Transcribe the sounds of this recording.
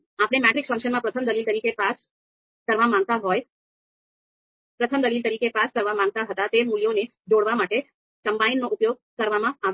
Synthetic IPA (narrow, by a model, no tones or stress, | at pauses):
apɽ̃emɛʈɾikfə̃ŋkʃənmãpɾət̪ʰəmd̪əlilt̪əɾikepas | kəɾʋamãŋɡ̚t̪aɦɔj | pɾət̪ʰəmd̪əlilt̪əɾikepaskəɾʋamãŋɡ̚t̪aɦət̪at̪emuljone | d͡ʒoɽʋamaʈe | kəmbainːoʔupjoɡ̚kəɾʋamãaʋ